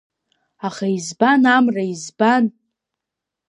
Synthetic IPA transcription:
aχaizbanamraizban

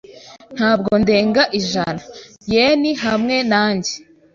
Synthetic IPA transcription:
n̥haːb̚ɡo̞nde̞ːŋɡaʔiʒana | jeːniɦamŋe̞naːɲɟe

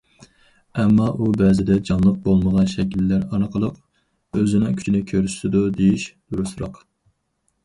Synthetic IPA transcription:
ɛmːɑʔubɛzɪd̪ɛd͡ʒɑnlˠəq̚bolˠməʁɑnʃɛkʲilːæɾɑnəqʰəlˠəq | øzɪnɪŋkʲʰy̥t͡ʃʰinɪkʲʰøɾyʃɪd̪ud̪ejiʃd̪̥uɾusɾɑ̰q

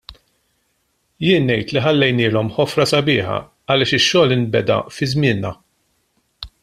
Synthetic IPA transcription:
jɪːnːɛjt̪liħɐlːɛjnɪːlɔmħɔfɾɐsɐbɪːħɐ̰ | ɐlɪːʃɪʃːɔːlɪnbɛd̪ɐ̰fɪzmɪːnːɐ

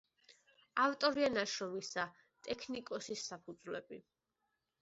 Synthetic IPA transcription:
aft̪ʼɔɾianaʃɾɔmisa | t̪ʼɛkʰnikʼɔsisːapʰud̪zvlɛ̰bi

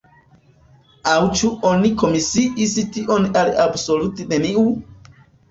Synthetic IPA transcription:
awt͡ʃuʔoniko̞misiʔistiʔonalabsolutineniu

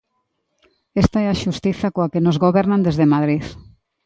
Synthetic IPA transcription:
est̪aɛaʃust̪iθakoakenozɣoβɛɾnand̪ezðemaðɾið

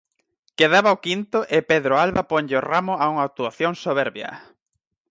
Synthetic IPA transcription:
keð̞aβaokint̪ʊʔepeðɾoalβapoɲʎeoramʊauŋat̪uaθjoŋsoβ̞ɛɾβjɐ̰

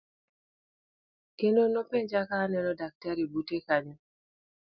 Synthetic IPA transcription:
enonopeɲd͡ʒakaːnɛnɔdak̚taɾibutekaɲɔ

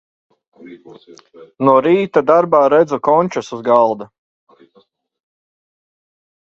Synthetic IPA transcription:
nuɔɾiːt̪ad̪aɾbaːɾɛd̪zukɔnʲt͡ʃusuzɡalˠd̪a

